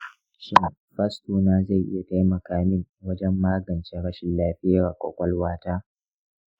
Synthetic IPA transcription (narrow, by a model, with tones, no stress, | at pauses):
ʃɪ˦n˨ɸɐ˦stuː˨naː˦za˦˨jʔɪ̰˦ja˨ka˦jmɐ˨kaː˨mɪ˦ŋwɐ˦d͡ʒɛ˦mːaː˦ɡɐ˨nt͡ʃe˦ɽɐ˦ʃɪ˨nlaː˦ɸɪ˦ja˦˨a˨kʷɔ̰˨kʷɐ˦lwaː˦taː˦